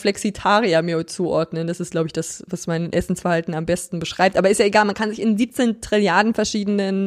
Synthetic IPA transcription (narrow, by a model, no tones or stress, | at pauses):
flɛksitʰaːʁiamiːɐt͡suːʔɔɐdnəndasɪst̚laʊbəɪçd̥asvasmaɪnʔɛsn̩sfɛɐhaltn̩ambɛstn̩bəʃʁ̥aɪp̚tʔaːbɐɪstjaːʔeɡaːlmankʰanzɪçɪnziːp̚t͡seːntʁ̥ɪljaɐdn̩fɛɐʃiːdənən